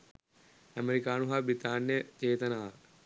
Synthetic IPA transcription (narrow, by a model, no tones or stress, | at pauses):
æmeɾikaːnuɦabit̪aːnːjət͡ʃeːt̪ɐnaː